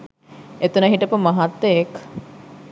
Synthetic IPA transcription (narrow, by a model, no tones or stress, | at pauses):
et̪unɐɦiʈɐpumɐɦɐt̪ːeek